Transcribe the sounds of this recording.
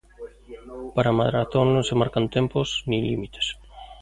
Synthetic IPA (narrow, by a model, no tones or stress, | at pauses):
paɾamaðɾaθoŋnõŋsemaɾkant̪emposnilḭmit̪ʰe̥s